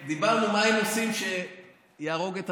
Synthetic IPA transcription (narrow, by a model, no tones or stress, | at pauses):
d̪ibaʁnumaemosimʃe | jaːʁo̞ɡet̪a